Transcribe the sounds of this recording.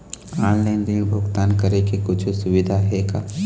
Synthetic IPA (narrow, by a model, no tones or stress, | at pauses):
aːnleːnd̪ibʱʊɡt̪aːnkɐɾekekʊt͡ʃʰsʊʋɪd̪ʱaɦɛkaː